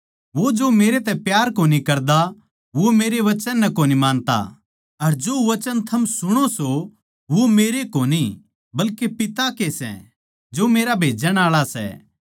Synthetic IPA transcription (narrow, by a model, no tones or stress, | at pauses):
ʋod͡ʒomeːɾet̪ɛ̃pjaːɾkoːnikɐɾd̪a | ʋomeːɾeʋɐt͡ʃənːɐkoːnimãːnt̪a̰ | ɐɾd͡ʒoːʋɐt͡ʃənt̪ʰɐmsʊɽ̃oso | ʋomeːɾekoːni | bɐlkepɪt̪akesɛ̰̃ | d͡ʒoːmeːɾabʱeːd͡ʒəɽ̃aːɭasɛ̰